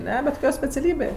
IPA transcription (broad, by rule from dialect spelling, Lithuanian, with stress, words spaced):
ˈnʲɛ bʲɛt koːˈkʲoː sʲpʲɛt͡sʲɛˈlʲiːbʲeː